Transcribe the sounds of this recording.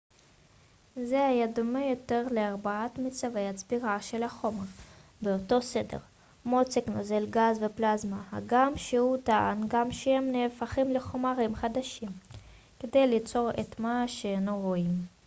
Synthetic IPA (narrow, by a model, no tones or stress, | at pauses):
zehajad̪omejo̞t̪e̞ʁleaʁbaat̪mit͡save̞jhat͡sbiʁaʃelaχo̞meʁbeoto̞se̞de̞̰ʁ | mot͡seknozelɡazveplazmaha̰ɡamʃehutaanɡamʃehemneːfaχimleχo̞maʁimχad̪aʃim | ked̪e̞jlit͡so̞ʁet̪maʃeenoʁoim